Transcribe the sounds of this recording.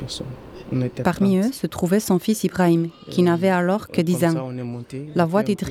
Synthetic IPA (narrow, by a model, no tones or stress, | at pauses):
paʁmiøsət̪χuvɛsɔ̃fisibʁaimkʲinavɛalɔʁkəd̪izɛ̃ | lavwad̪ed̪ʁi